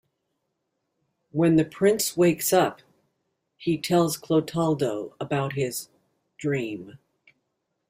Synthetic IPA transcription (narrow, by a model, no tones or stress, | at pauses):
wɨ̃nðɨpʰɹ̥ɪ̃nsweɪksʌp | hitʰɛlˠz̥kʰl̥oʊtʰɑlˠdoʊəbaʊt̚ɦɪz | dɹĩm